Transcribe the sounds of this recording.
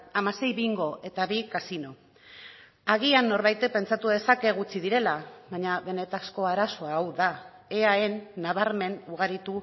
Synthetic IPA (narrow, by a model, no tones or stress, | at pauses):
amase̞jβiiŋɡo̞e̞t̪aβikasino̞ | aɣ̞ianːo̞ɾβajt̪epe̞nt͡sat̪uðe̞sake̞ɣ̞ut͡siðiɾe̞laβaɲaβe̞ne̞t̪asko̞aɾaso̞aːwða | e̞ae̞nːaβ̞aɾme̞nuɣ̞aɾit̪u